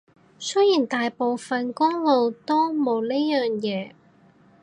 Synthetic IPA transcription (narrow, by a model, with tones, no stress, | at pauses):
sɵ˥jiː˨˩nt̪aː˨jpo˨˧wfɐ˨nkʊ˥ŋlo˨˧wt̪o˥wmo˨˧wne˥jœː˨ŋjɛː˨˧